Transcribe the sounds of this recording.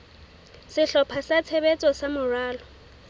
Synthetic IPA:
sɪɬɔpʰasat͡sʰebet͡sʼɔsamʊraːlɔ

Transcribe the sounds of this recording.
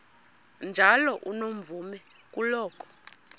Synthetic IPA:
nd͡ʒʱalɔʔunoɱ̩vumɛk̬ʼulɔːkʰʼɔ̥

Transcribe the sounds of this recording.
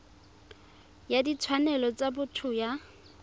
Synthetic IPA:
jadit͡sʰwanɛlɔt͡sabʊtʰʊja

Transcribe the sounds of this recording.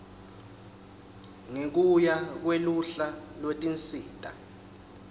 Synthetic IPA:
ŋek̬ujak̬weluɬalwetʼint͡sʼiːtʼa̰

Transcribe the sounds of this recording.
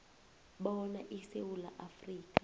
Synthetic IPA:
ɓɔɔnaʔisewula̰ʔafriːk̬ʼḁ

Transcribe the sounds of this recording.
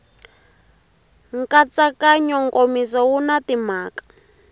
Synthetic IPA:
ŋkat͡sakaɲɔŋkomisɔwunatimaːkḁ

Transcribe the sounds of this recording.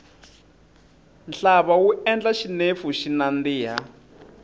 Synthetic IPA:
nɬaβawuʔɛnd͡ɮaʃinefuʃinandiːɦa

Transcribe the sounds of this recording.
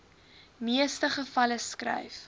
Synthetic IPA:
miəstəχəfɐləskrɛ̰jf

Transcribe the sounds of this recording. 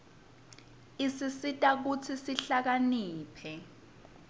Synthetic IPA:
isisitʼak̬ut͡sʰisiɬak̬aniːpʰɛ

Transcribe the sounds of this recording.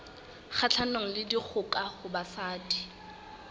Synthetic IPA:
χʰat͡ɬʰanoŋ̩lɪdik͡xʰʊkʼaχʊbasaːdi̥

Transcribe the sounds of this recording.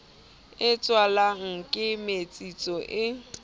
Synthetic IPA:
ɪt͡sʼwalaŋ̩kʼɪmet͡sʼit͡sʼɔʔɪ

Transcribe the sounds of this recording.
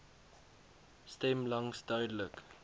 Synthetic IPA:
stɛmlɐŋsdœɥdələk

